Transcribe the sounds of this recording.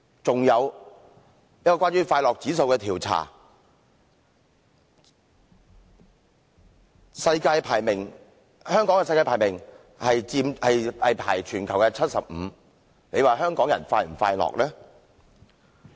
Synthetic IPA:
t͡sʊ˨ŋjɐ˨˧w | jɐ˥kɔ˧wʷaː˥nyː˥faː˧jlɔː˨k̚t͡siː˨˥so˧wkɛː˧t̪ʰiː˨˩wt͡sʰa̰ː˨˩ | sɐ˧jkaː˧jpʰaː˨˩jmɪ˨˩ŋ | hœː˥ŋkɔː˨˥ŋkɛː˧sɐ˧jkaː˧jpʰaː˨˩jmɪ˨˩ŋ | hɐ˨jt͡siː˧mhɐ˨jɐ˨jpʰaː˨˩jt͡ʃʰyː˨˩nkʰɐ˨˩wkɛː˧t͡sʰɐ˥t̚sɐ̰˨p̚m̩ː˨˧˦ | le˨˧jwaː˨˩ɦœː˥ŋkɔː˨˥ŋjɐ̰˨˩nfaː˧jm̩˨˩faː˧jlɔ̰ː˨k̚lɛː˥

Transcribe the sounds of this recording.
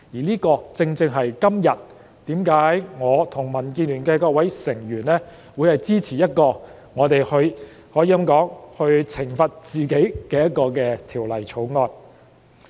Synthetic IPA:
jiː˨˩liː˥kɔː˧t͡sɪ˧ŋt͡sɪ˧ŋɦɐ˨jkɐ˥mjɐ˨t̚ | t̪iː˨˥mkaː˨˥jŋɔː˨˧t̪ʰʊ˨˩ŋmɐ˨˩nkiː˧nlyː˨˩nkɛː˧kɔː˧k̚wɐ˨˥jsɪ˨˩ŋjyː˨˩nlɛː˥ | wu˨˧jhɐ˨jt͡siː˥t͡sʰiː˨˩jɐ˥t̚kɔː˧ | ŋɔː˨˧t̪e˨jhɵ˧ɥ | hɔː˨˥jiː˧jɐ˨˥mkɔː˨˥ŋhɵ˧ɥt͡sʰɪ˨˩ŋfɐ˨t̚t͡siː˨ke˨˥jkɛː˧jɐ˥t̚kɔː˧kɛː˧t̪ʰiː˨˩wlɐ˨˩jt͡sʰo˨˥wŋɔː˧n

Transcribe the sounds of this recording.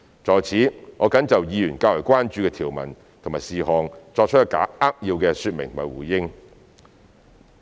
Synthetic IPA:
t͡sɔː˨jt͡sʰiː˨˥ŋɔː˨˧kɐ˨˥nt͡sɐ˨wjiː˨˧jyː˨˩nkaː˧wlɔ˨˩kʷwaː˥nt͡ʃyː˧kɛː˧t̪ʰiː˨˩wmɐ̰˨˩n | t̪ʰmaː˨˩siː˨ɦɔː˨ŋt͡sɔː˧k̚t͡ʃ̚ʰːka̰ː˨˥aː˥k̚ji˧wkɛː˧syː˧t̚mɪ̰˨ŋt̪ʰmaː˨˩wuː˨˩jjɪ˥ŋ

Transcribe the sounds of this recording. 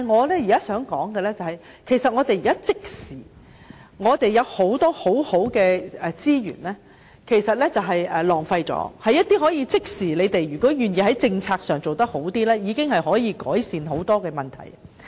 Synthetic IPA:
t̪ːa˨jŋɔː˨˧lɛː˥ji˨kaː˥sœː˨˥ŋkɔ̰ː˨˥ŋkɛ˧lɛ˥t͡sɐ˨hɐ˨j | kʰe˨˩jsɐ˨t̚ŋɔː˨˧t̪e˨jiː˨kaː˥t͡sɪ˥k̚siː˨˩ | ŋɔː˨˧t̪e˨jjɐ˨˧who˨˥wt̪ɔː˥ho˨˥who˨˥wkɛː˧ɛ˨t͡siː˥jy̰ː˨˩nlɛː˥ | kʰe˨˩jsɐ˨t̚lɛ˥t͡sɐ˨wɦɐ˨jɛː˨lɔː˨˩ŋfɐ˧jt͡sɔ̰ː˨˧˥hɐ˨jːɐ˥t̚t̪iː˥ɦɔː˨˥jiː˧t͡sɪ˥k̚siː˨˩le˨˧jt̪e˨jjyː˨˩kɔː˨˥jyː˨njiː˧hɐ˨˥jt͡sɪ˧ŋt͡sʰaː˧k̚sœː˨ŋt͡so˨wt̪ɐ˥k̚ho˨˥wt̪iː˥lɛː˥jiː˨˧kɪ˥ŋhɐ˨jɦɔː˨˥jiː˨˧kɔ̰ː˨˥jsiː˨nɦo˨˥wt̪ɔː˥kɛː˧mɐ˨˩nt̪ʰɐ̰˨˩j

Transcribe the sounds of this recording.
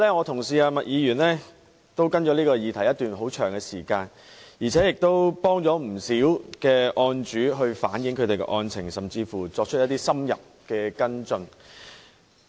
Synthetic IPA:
lɛː˥ŋɔː˨˧t̪ʰʊ˨˩ŋsiː˨aː˧mɐ˨t̚jiː˨˧jyː˨˩nlɛː˥ | t̪o˥wkɐ˥nt͡ʃɔː˨˥liː˥kɔː˧jiː˨˧t̪ʰɐ˨˩jɐ˥t̪yː˨nɦo˨˥wt͡ʃʰœː˨˩ŋɡɛ˧siː˨˩kaː˧n | jiː˨˩t͡sʰɛː˨˥jɪ˨k̚t̪o˥wpɔː˥ŋt͡ʃɔː˨˥m̩˨˩siː˨˥wkɛː˧ʔɔː˧nt͡ʃyː˨˥ɦɵ˧ɥfa̰ː˨˥njɪ˨˥ŋkʰɵ˨˧t̪e˨jkɛ̰˧ʔɔː˧nt͡sʰɪ˨˩ŋsɐ˨˩mt͡siː˧fuː˨˩t͡sɔː˧k̚t͡ʃ̚ʰjɐ˥t̪iː˥sɐ˥mjɐ̰˨p̚ | kɛː˧kɐ˥nt͡sɵ˧n

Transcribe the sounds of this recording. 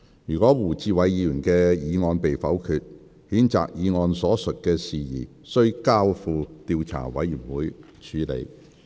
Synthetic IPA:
jyː˨˩kɔː˨˥wuː˨˩t͡siː˧wɐ˨˧jjiː˨˧jyː˨˩nkɛː˧jiː˨˧ŋɔː˧npe˨jfɐ˨˥wkʰyː˨˧t̚ | hiː˨˥nt͡sa̰ː˨k̚jiː˨˧ŋɔː˧nsɔː˨˥sɵ˨t̚kɛː˧siː˨jiː˨˩ | sɵ˥ɥkaː˥wfuː˧t̪iː˧wt͡sʰa̰ː˨˩wɐ̰˨˥jyː˨˩nwuː˨˥j | t͡ʃʰyː˨˥lḛ˨˧j

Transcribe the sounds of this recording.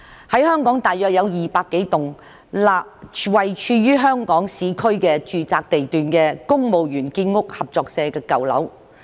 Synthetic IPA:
hɐ˨˥jhœː˥ŋkɔː˨˥ŋt̪aː˨jœː˨k̚jɐ˨˧wjiː˨paː˧kːe˨˥jt̪ʊ˨˩ŋ | laː˨p̚wɐ˨jt͡ʃʰyː˧jyː˥ɦœː˥ŋkɔː˨˥ŋsiː˨kʰɵ˥kɛː˧t͡ʃyː˨t͡saː˨˧k̚t̪e˨jt̪yː˨nkɛː˧kʊ˥ŋmo˨wjyː˨˩nkiː˧nŋʊ˥k̚hɐ˨p̚t͡ʃɔː˨˧k̚sɛː˧kɛː˧kɐ˨wlɐ̰˨˥w

